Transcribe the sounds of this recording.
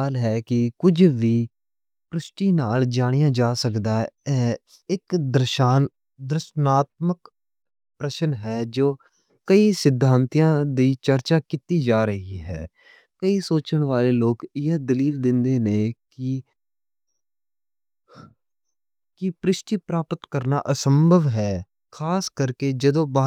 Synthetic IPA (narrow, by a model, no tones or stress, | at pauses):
aːlɦɛːkɪkʊd͡ʒʋiː | pɾɪʃʈiːnaːld͡ʒaːɽ̃ijãːd͡ʒaːsəkd̪aːɛː | ɪkd̪əɾʃaːn | d̪əɾɪʃnaːt̪̚mək | pɾəʃənɦɛːd͡ʒoː | kəiːsɪd̪ʱːaːnt̪ijãːd̪iːt͡ʃəɾt͡ʃaːkɪt̪iːd͡ʒaːɾəɦiːɦɛ̰ː | kəiːsoːt͡ʃəɳʋaːleːloːkɪjəd̪əliːld̪ɪnd̪eːneːkɪ | kɪpɾɪʃʈiːpɾaːpət̪kəɾna̰ːʔəsəmbʱəʋɦɛː | kʰaːskəɾkeːd͡ʒəd̪õːba